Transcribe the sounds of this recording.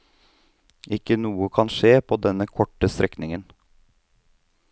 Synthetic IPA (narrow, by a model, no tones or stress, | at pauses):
ʔɪkːənuːəkʰɑnʃeːpʰoːd̪ɛnəkʰɔʈːəst̪ɾʔɛknɪŋən